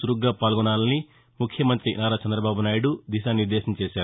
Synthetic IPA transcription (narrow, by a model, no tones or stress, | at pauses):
suɾuɡːaːpaːlɡɔɳaːlɐni | mukʰjɐmɐnt̪ɾinaːɾaːt͡ʃɐnd̪ɾɐbaːbunaːjiɽud̪iʃaːniɾd̪ɛːʃɐnɐt͡ʃeːʃaːɾu